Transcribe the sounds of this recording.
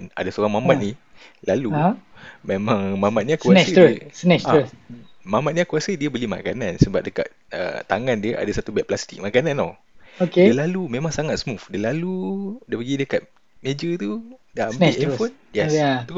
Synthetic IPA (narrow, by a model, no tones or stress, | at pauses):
na̰dasoɾaŋmamat̪̚ni | lalu | memãŋmamat̪̚ɲakuaəəsnɛsaəmamat̪̚ɲakuasədiəbəlima̰kanansəbap̚dəka̰t̪̚ə̰t̪aŋandiəʔa̰dasat̪ubɛʔ̚plast̪ik̚makanãnɔ | okedəlalumẽmãŋsaŋat̪səmufdalaludapəɡidəkat̪̚ | med͡ʒət̪udambiɛfonjɛat̪u